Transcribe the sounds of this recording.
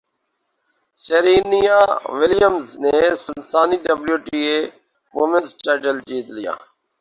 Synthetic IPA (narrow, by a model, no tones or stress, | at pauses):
seːɾiːnijaːʋɪlɪjəmzneːsənsaːniːɖəbljuːʈiːeː | moːmẽnsʈaːʈəld͡ʒiːt̪lɪja̰ː